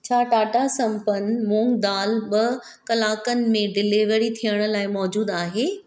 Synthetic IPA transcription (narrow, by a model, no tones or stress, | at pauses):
t͡ɕʰaːʈaːʈasɐ̃mpənmũːŋɡd̪aːlɓɐ | kɐlaːkənɪ̆mẽɖɪliʋəɾit̪ʰijəɽ̃ə̆laːɪmɔːd͡ʑuːd̪aːɦeː